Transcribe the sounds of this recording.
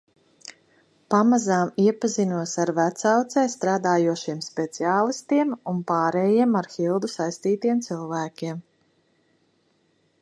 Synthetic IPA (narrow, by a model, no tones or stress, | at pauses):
pamazaːmiɛpazinuɔsaɾvæt̪sawt̪sɛjst̪ɾaːd̪aːjuɔʃiɛmspɛt̪siaːlˠist̪iɛmunpaːɾɛjiɛmaɾxilˠd̪usajst̪iːt̪iɛmt̪silˠvæːkʲiɛm